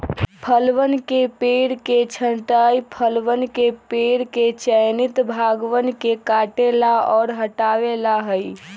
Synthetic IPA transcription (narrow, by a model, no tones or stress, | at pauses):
pʰəlʋənkepeɽket͡ʃʰəɳʈajpʰəlʋənkepeɽket͡ʃəjnit̪bʱaɡʋənkekaʈelaɔːɾɦəʈaʋelaɦəj